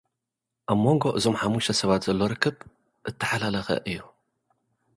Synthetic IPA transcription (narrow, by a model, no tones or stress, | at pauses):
ʔaβmo̞ŋɡo̞ʔɨzo̞mħamuʃɐsɐβat̪z̥ɐlːo̞ɾɨkʰːɨβ | ʔɨt̪ʰːɐ̥ħalalɐxɐ̰ʔɨjːu